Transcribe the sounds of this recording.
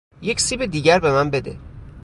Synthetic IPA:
je̞csiːbed̪iːɟæɾbe̞mænbe̞d̪ḛ

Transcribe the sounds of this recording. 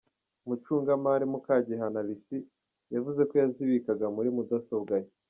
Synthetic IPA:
mut͡ʃuːŋɡamaɾimukaɟeɦanalisi | javuze̞ko̞jaziβikaɡamuɾimudasobɡaje

